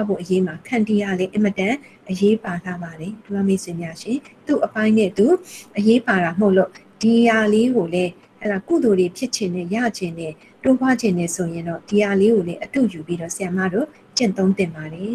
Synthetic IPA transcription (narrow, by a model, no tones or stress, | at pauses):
abo̰ʔəjem̥akʰãntijalɛʔɪ̃mətã | ʔəjepalabaɾɛtulamesɪ̃mjaʃɪ̰̃t̪uʔəpãɪ̃nɛ̰t̪uʔəjepaɾam̥oʊʔlo | d̥ijaleɡolɛ | hɛ̰lakṵd̪oɾepʰjɪʔt͡ɕʰɪ̃nɛ̰ja̰d͡ʑɪ̃nɛ | tobwad͡ʑɪ̃ndɛsʰojɪ̃ndɔ̰d̥ijaleɡolɛʔətṵjupiɾɔ̰sɪjamä̰do | t͡ɕɪ̰̃nt̪õʊ̃nt̪ɪ̃mbaɾɛ